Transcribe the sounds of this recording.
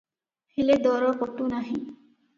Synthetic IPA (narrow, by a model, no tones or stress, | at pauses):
fʰiled̪ɔɾɔkotunaɦĩ